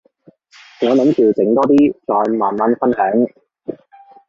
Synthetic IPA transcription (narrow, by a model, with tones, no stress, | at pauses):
ŋɔː˨˧nɐ˨˥mkyː˨˧wt͡sɪ˨˥ŋt̪ɔː˥t̪iː˥t͡sɔː˨˧jmaː˨˩nmɐ˨˧˥nfɐ˥nɦœː˨˥ŋ